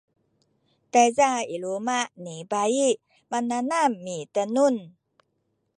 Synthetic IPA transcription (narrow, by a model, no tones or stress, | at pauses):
t̪azailumaʔnibai | mananamːit̪anun